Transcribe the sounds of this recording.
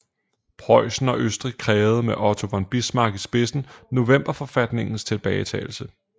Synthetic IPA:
pʰʁɒ̽ɪ̰sn̩ɒ̽ʔøsd̥ʁiɡ̥̚kʰʁɛːʊð̞̩ˠmeʔɒ̽t͡sʰo̝ʋɒnb̥ismɑ̈ːɡ̥isb̥e̝sn̩no̝ʋem̰b̥ɐfɒ̽fæd̥ne̝ŋn̩st͡sʰe̝lb̥ɛːɪt͡sʰɛ̰ːl̩sə

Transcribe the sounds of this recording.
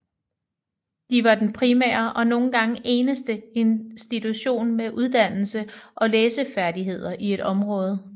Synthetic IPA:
d̥iʋɑ̈d̥enpʰʁimæ̰ːɐʔɒ̽no̝ːn̩ɡ̥ɑ̈ŋəʔe̝ːnəsd̥əe̝nsd̥it͡sʰuɕo̝̰ːnmeʔuð̞ˠd̥æn̰l̩səʔɒ̽leːsəfæɐd̥iɦe̝ð̞̰ˠɐʔie̝ɾ̥ɒ̽mʁɔ̽ːð̞ˠ

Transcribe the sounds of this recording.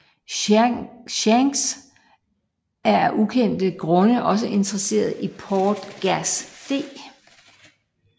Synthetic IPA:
ɕæŋs | æɐʔukʰen̰d̥əɡ̥ʁɔ̽nəʔɒ̽s̬əʔe̝nd̥ʁɐse̝̰ːɐð̞̩ˠipʰɒːd̥ɡ̥æsd̥e̝̰ː

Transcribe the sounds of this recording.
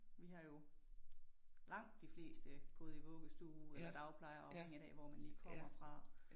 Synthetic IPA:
ʋiɦɑ̈jo̝ | lɑ̈ŋ̰d̥ːifle̝̰ːsd̥əɡ̥ɔ̽ːð̩ˠiʋɔ̽ːɡ̥əsd̥uːelɐd̥ɑ̈ʊpʰlɑ̈ɪɐɒ̽eŋ̰əd̥ɛ̰ːʋɒmænliːkʰɒ̽m̰ɐfʁɑ̈

